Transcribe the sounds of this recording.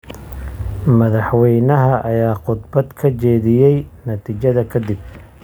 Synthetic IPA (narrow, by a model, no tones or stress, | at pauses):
mɐðɑħwɛjnɐɦɐʔɐjaːqʊd̪bɐd̪kʰɐt͡ʃɛːðɪjɛjnɐt̪ʰiːt͡ʃɐðɐkʰɐd̪ɪb̚